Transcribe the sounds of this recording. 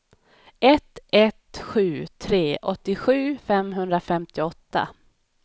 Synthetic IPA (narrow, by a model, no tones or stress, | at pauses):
ʔɛt̪ɛt̪ɧʉ̟ːt̪ʰɾeːʔɔt̪ːɪɧʉ̟ːfɛmɦɵnd̪ɾafɛmt̪ɪɔt̪ːa̰